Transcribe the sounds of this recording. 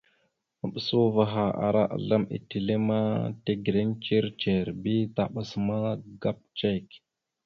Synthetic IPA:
mə˨ɓə˨su˦va˨ɦa˨ʔa̰˨ɾʔa˦ʔa̰˨ɮa˦mḭ˨ti˨le˦ma˦te˦ɡi˨ɾe˦nt͡ʃi˦ɾt͡ʃe˨ɾbi˦ta˨ɓa˨sma˦ɡa˦p̚t͡ʃe˦˨k

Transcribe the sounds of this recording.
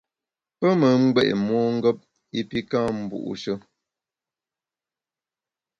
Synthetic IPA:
pə˦mə˨ŋ̩˦ɡ͡bɛ˦˨ʔmwɔ˦ŋ̩˦ɡɔ˦p̚ | i˦pi˦ka˦m̩˨bṵ˨ʔṵ˨ʃə˦

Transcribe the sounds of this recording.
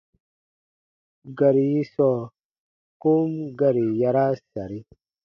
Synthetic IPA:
ɡa˨ɾi˨ji˦sɔ˨ | ku˦mɡa˦˨ɾi˨ja˦ɾa˦sa˨ɾi˦

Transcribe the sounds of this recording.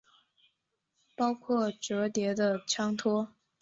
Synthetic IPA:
pɑ˥ʊkʰwɔ˥˩ʈ͡ʂɤ˧˥t̪jɛ˧˥d̪ə˧ʈ͡ʂʰɑ˥ŋt̪ʰwɔ˥

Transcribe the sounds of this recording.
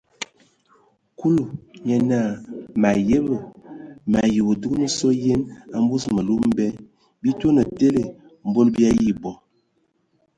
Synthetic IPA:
ku˦lu˨ɲɛ˨na˦˨ma˨je˦bə˨ma˨ji˨bo˨du˦ɡnə˦sɔ˦je˦na˨m˦bu˦smə˨lu˦m˦bɛ˦ | bi˦to˦nə˨te˦le˨ | m˨bo˦lbi˦a˦ji˦˨bɔ˨

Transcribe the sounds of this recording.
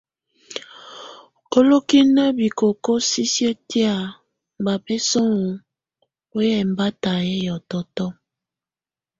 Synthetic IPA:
ko˦lo˦ki˦na˦bi˨ko˨ko˦si˦si˦e˦ti˦a˦˨ | m˨ba˨be˦sɔ˦ŋu˨ | o˦jɛ˨mba˦ta˨je˦jɔ˨tɔ˦tɔ˦

